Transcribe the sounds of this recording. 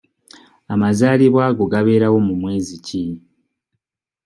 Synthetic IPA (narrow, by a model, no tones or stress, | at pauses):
amazaːliβwaːɡo̞ɡaβe̞ːɾawo̞mumwe̞ːzici